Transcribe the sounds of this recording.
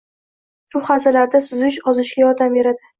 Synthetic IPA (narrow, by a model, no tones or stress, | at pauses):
sʊχasalaɾd̪asʊzɪʃɒzɪʃɡʲajɒɾd̪amve̞ɾad̪ɪ